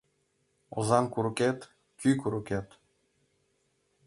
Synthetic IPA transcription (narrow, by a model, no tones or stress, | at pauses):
o̰zɑŋkuɾuket̪ | kʲykuɾuket̪